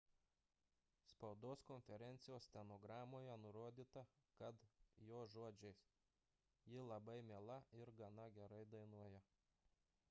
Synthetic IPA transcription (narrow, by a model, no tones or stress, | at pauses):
spɐʊd̪oːskɔnʲfʲɛɾʲɛnʲt̪sʲɪjoːsʲt̪ʲɛnɔɡɾɑːmoːjɛnʊɾoɔd̪ʲiːt̪ɐkɐt̪joːʒuɔd͡ʒʲɛɪs | jɪlˠɐbɐɪmʲeːlˠɐɪɾɡɐnɐɡʲɛɾɐɪd̪ɐɪnuɔjɛ